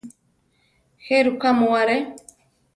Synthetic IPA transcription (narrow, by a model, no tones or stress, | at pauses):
heɾukamowaɾe